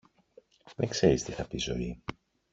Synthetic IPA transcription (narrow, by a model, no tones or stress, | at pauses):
veŋkse̞ɾist̪iθɐpizo̞̰i